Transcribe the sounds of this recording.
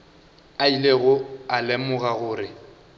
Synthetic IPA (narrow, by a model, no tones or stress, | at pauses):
aileɣʊalemʊɣaɣʊːrɪ